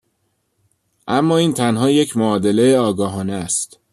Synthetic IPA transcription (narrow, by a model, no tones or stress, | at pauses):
ʔæmːɒːiːnt̪ʰænɦɒːje̞cʰmoɒːd̪e̞le̞eɒːɡɒːɦɒːneæst̪